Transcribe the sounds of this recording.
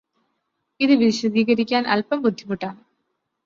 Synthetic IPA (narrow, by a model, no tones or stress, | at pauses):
iðɨʋiɕwɐd̪iːɣɐɾikʲːaːnɐ̰lpɐmbud̪ʱːimuʈːaːɳ